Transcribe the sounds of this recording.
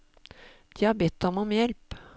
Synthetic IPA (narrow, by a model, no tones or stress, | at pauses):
d̪̥iːɑbɛt̪ɔmɔmjɛlp